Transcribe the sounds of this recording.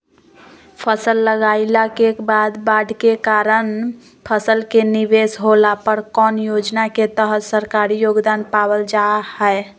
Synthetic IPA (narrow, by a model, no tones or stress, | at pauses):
pʰəsəlːəɡaːilakekbaːd̪baɖʱkekaːɾən | pʰəsəlkenɪʋesɦolapəɾkɔːnjod͡ʒnaket̪əɦət̪səɾkaɾijoːɡd̪aːnpaːwəld͡ʒahɛe